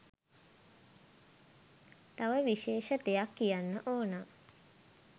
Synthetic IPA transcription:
t̪aʋəʋiʃeːʃət̪ejakːijanːəʔoːna

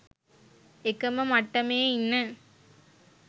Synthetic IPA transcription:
ɛkːɐmɐmɐʈːɐmeːɪnːɐ

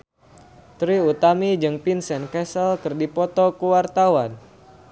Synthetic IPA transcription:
t̪ɾiut̪amid͡ʒɨŋpinsɛnkɛsəlkɨrdipɔt̪ɔkuwart̪awan

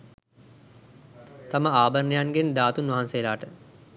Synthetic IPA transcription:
t̪aməaːbərnejanɡend̪aːt̪unʋɐɦansejlaːʈə

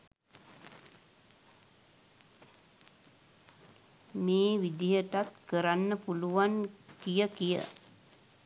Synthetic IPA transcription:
meːʋid̪ijəʈat̪kəɾanːəpuluʋankijəkijə̰

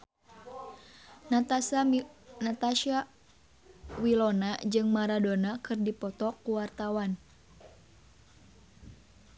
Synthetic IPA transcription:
sanat̪aʃa | wilɔnad͡ʒɨŋmaɾadonakɨrdipɔt̪ɔkuwart̪awan

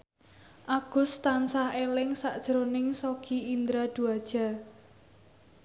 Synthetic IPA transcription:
ʔaɡ̥ʊ̤st̪ansahelɪŋsaʔd̥ʒ̥əɾonɪŋsoɡ̥iind̪ɾad̪̥ṳad̥ʒ̥a̤

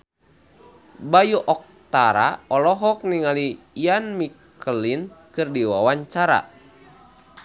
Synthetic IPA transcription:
bajuʔɔk̚t̪aɾa̰ɔlɔɦɔk̚niŋali | janmik | əlinkɨrdiwawaɲt͡ʃaɾa̰

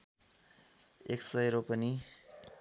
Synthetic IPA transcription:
eksʌjɾopʌni

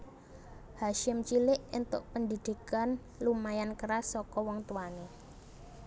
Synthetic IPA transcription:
haʃɪmt͡ʃilɪʔɪnt̪ʊʔpəndid̪̥i̤kan | lumajankəɾasːɔkɔwɔŋt̪uwane

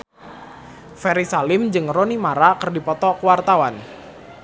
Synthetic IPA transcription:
fɛɾisalɪmd͡ʒɨŋronimaɾakərdipɔt̪ɔkuwart̪awan

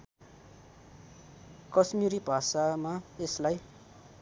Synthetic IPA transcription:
kʌsmiɾibʱasamaeslaj

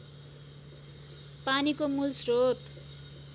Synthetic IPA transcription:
panikomulsrot̪

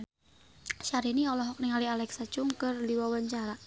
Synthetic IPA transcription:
ʃaɾiniɔlɔɦɔk̚niŋalialɛksat͡ʃuŋkərliwɔwəɲt͡ʃaɾa

